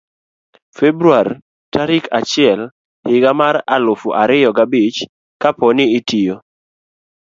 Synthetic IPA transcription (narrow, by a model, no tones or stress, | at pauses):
febɾuar | taɾɪkʰat͡ʃɪɛl | hɪɡamaɾalʊfuʔaɾɪjɔɡabit͡ʃ | kapɔnɪːtijo